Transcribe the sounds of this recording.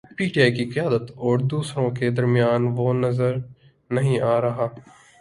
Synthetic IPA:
piːʈijakiqɐjaːd̪ət̪ɔːɾd̪uːsɾõked̪ɐɾmijaːnʋonɐzəɾ | nɐɦĩʔaːɾɐɦaː

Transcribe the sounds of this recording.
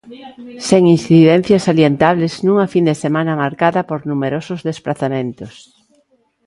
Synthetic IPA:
seŋinsθiðɛn̟θjɐsaljent̪aβleznũŋafind̪esemãnɐmaɾkaðɐpoɾnumeɾosʊzðesplaθamẽnt̪os

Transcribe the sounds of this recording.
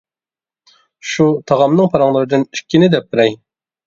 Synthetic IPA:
ʃut̪ʰɑʁɑmnɨŋpʰɑɾɑŋlˠɨɾɨd̪ɨniʃkʲʰːɪnɪd̪ɛp̚bɪɾɛj

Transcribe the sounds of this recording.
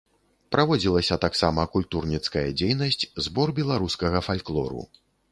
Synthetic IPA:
pɾavɔd͡zʲilˠɐsʲɐt̪aksamɐkulʲt̪urnʲit̪skɐjɐ̰d͡zʲejnɐsʲt͡sʲzbɔrbʲɛlˠaɾuskɐɣɐfalʲklˠɔ̰ɾṵ

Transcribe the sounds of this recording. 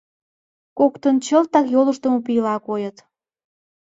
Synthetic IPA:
kokt̪ənt͡ɕəlt̪ɑkjoləʃt̪əmopijlɑkojət̪

